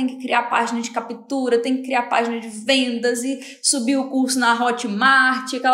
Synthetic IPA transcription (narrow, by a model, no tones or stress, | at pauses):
ẽj̃kɪ̥kɾiaɾpa̰ʒinɐd͡ʒɪkapit̪uɾɐt̪ẽj̃kɪkɾiaɾpa̰ʒinɐd͡ʒɪvẽnd̪ɐzɪ | subiwʊkuɾsʊnɐɦɔt͡ʃɪmaɾt͡ʃɪakɛ